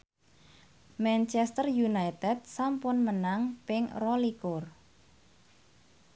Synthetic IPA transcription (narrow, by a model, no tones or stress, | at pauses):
mɛnt͡ʃɛst̪ərjunajt̪ɛt̪̚sampʊnmənaŋpɪŋrɔlikʊr